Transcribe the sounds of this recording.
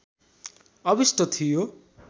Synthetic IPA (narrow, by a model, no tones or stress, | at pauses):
ʌbisʈʌt̪ʰijo